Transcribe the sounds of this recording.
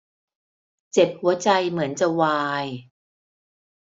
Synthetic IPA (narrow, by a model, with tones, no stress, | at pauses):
t͡ɕe˨˩p̚hu˩˦ɐt͡ɕa˧jmɯ˩˦ənt͡ɕa˨˩waː˧j